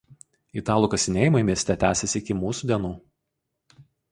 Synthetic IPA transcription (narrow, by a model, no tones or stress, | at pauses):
it̪ɑːlˠuːkɐsʲɪnʲeːjɪmɐɪmʲiɛsʲt̪ʲɛt̪ʲæːsʲɛsʲɪɪkʲɪmuːsuːˑd̪ʲiɛnuː